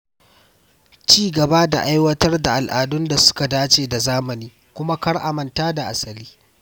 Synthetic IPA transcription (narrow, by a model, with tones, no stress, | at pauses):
t͡ʃiː˦˨ɡɐ˨ba˦da̰˨ʔa˦jwɐ˦tɐ˦rda˨ʔa˨lʔaː˨dʊ˦nda˨sʊ̥˦ka˨daː˦t͡ʃeː˨da˨zaː˦mɐ˨niː˦ | kʷʊ˦ma˦kɐ˦ɽʔa˨mɐ˨ntaː˦da˨ʔa˨sɐ˨liː˦